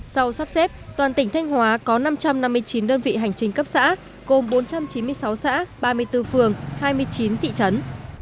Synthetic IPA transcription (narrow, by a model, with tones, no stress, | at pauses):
sa˧wsaː˦˥p̚sɛ˦˥p̚t̪waː˨˩nt̪ï˧˩ŋ̟t̪ʰa˧jŋ̟hwaː˨˦kɔ˨˦na˧mt͡ɕa˧mna˧mːɨ˧əjt͡ɕi˨˦nɗəː˧nvḭ˧˨ɦa˨˩jŋ̟t͡ɕï˨˩˦ŋ̟kə˦˥p̚sa̰ː˧˥ | ɣo˨˩mɓo˨˦nt͡ɕa˧mt͡ɕi˨˦nmɨ˧əjsa˨˦wsa̰ː˧˥ɓaː˧mɨ˧əjt̪ɨ˧fɨ˨˩əŋhaː˧jmɨ˧əjt͡ɕi˨˦nt̪ʰḭ˧˨t͡ɕə˨˦n